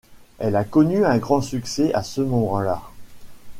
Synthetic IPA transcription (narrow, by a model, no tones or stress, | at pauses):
ɛlakɔnyɛ̃ɡʁɑ̃syksɛʔasəmɔmɑ̃la